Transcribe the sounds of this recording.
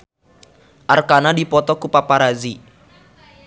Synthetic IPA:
ʔarkanadipɔt̪ɔkupapaɾazi

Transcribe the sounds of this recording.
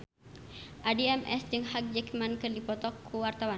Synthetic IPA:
ʔadiɛmɛ̰sd͡ʒəŋhak̚d͡ʒɛkmankərdipɔt̪ɔkʰːuwart̪awan

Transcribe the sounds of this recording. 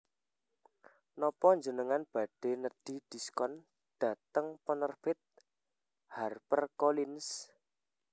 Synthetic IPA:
nɔpɔɲd͡ʒənəŋanb̥ä̤ɖ̥e̤nəd̥id̪̥i̤skɔn | d̪̥ä̤t̪əŋpənərpɪt̪̚ | harpərkolins

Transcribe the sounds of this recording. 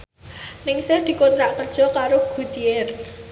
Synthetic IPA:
nɪŋsɛrd̪̥i̤kont̪ɾaʔkərd̥ʒ̥ɔ̤kaɾoɡ̥ṳd̪̥iɪr

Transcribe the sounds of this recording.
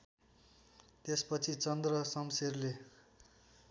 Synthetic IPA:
t̪espʌt͡sʰit͡sʌnd̪rʌsʌmserle

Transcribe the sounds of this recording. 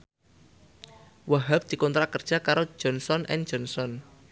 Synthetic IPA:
waɦap̚d̪̥i̤kɔnt̪ɾakərd̥ʒ̥a̤kaɾo̥ʒ̥ɔ̤nsɔnʔɛ̰n̥d͡ʒɔnsɔn

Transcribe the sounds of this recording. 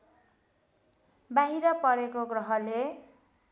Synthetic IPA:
baɦiɾʌpʌɾekoɡrʌɦʌle

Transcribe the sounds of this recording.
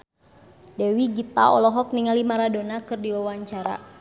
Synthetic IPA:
dɛwiɡit̪a̰ɔ̰lɔɦɔk̚niŋalimaɾadonakɨrdiwawaɲt͡ʃaɾa̰

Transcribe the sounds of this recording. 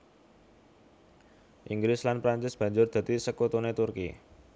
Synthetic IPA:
ʔiŋɡɾɪslanpɾaɲt͡ʃɪsb̥ä̤ɲd͡ʒʊrd̪̥ä̤t̪isəkot̪onet̪urkḭ

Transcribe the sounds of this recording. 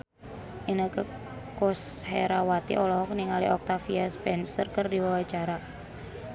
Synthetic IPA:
ʔinəkə | kosheɾawat̪ḭʔɔlɔɦɔkniŋalḭʔɔk̚t̪afiaspɛnsərkərdiwawat͡ʃaɾa

